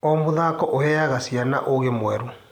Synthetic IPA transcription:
ɔmoðaːkɔʔohɛaɣasiana̰ʔoɣemwɛɾo

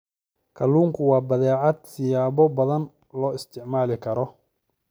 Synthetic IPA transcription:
kʰɐluːŋkʰʊwɑːbɐðɛːʕɑd̪sɪjaːβɔbɐðɐn | lɔːɪst̪ʰɪʕmaːlɪkʰɐɾɔ

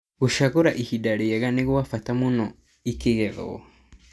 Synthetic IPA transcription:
ɣuʃaɣoɾaʔihidaɾeaɣaneɣwwafatamunɔ | ikeɣɛβɔ̰ɔ̰

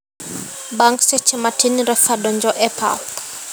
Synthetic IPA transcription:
baŋksɛt͡ʃʰɛmatʰiniɾɛfaɗɔnd͡ʒɔʔɛpʰa̰p

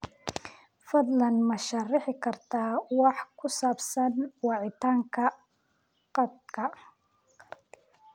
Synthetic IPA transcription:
fɐd̪lɐnmɐʃɐrɪħɪkʰɐrt̪ʰaːwɑħkʰʊsaːbsɐnwɑʕɪt̪ʰaːŋkʰɐ | qɑd̪̚kʰɐ

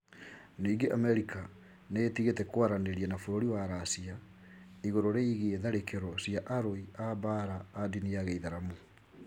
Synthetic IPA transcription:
niːɡeʔamɛɾika | neːtiɣetɛkwaɾaneɾiɛnafoɾoɾiwaɾasia | iɣoɾoɾeiɣeeðaɾekeɾɔsiaʔaɾoiabaɾaːdiniaɣeiðaɾamo

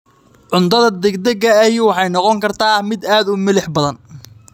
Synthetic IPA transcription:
ʕʊnt̪ʰɐðɐd̪ɛɡd̪ɐɣɐːwɑħɑjnɔqɔŋkʰɐrt̪ʰaːmɪd̪aːd̪ʊmɪlɪħbɐðɐn

